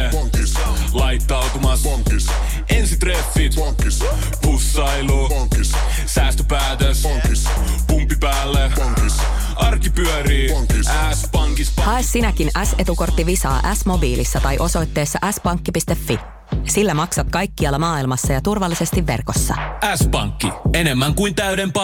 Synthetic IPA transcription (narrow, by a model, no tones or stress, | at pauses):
lɑjt̪ːɑwt̪umɑs | ʔensit̪ɾefːit̪ | pusːɑilu | sæːst̪øpæːt̪es | pumpːipæːlːe | ɑrkipyœɾiːæspɑŋkihɑesːinæk̟inæse̞t̪uko̞rt̪ːiʋisɑ̰ːʔæsmo̞biːlisːɑt̪ɑjʔo̞so̞jt̪ːe̞ːsːɑʔæspɑŋkːipist̪e̞fːi | silːæmɑksɑt̪kɑjkːiɑlːɑmɑːilmɑsːɑjɑt̪urʋɑlːise̞st̪iʋːe̞̰rko̞sːɑ̰æspɑ̰ŋkːie̞ne̞mːæŋkujnt̪æydemp